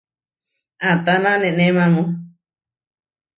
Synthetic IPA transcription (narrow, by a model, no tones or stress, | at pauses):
ãt̪anãnẽnẽmãmũ